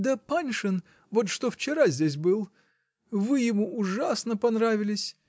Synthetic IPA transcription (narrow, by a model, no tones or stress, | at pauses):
d̪əpanʲʂɨn | vo̞t̪ʂt̪o̞ft͡ɕɪɾazʲdʲes̬ʲbɨlˠ | vɨjɪmuʔʊʐasnəpɐnɾavʲɪlʲɪsʲ